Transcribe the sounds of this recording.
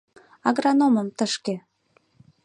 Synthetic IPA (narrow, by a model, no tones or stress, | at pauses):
ɑɣrɑnoməmt̪əʃke